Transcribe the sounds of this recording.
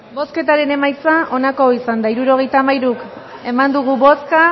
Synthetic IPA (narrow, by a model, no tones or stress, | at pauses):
bo̞ske̞t̪aɾe̞ne̞majt͡saʔo̞nako̞isand̪aiɾuɾo̞ɣ̞e̞jt̪aːmajɾuk | e̞mand̪uɣ̞uβo̞ska